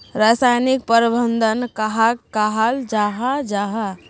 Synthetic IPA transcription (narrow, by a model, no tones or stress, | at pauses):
ɾasajnik̚pəɾbənd̪ənkaɦakkaɦald͡ʒaɦad͡ʒaɦa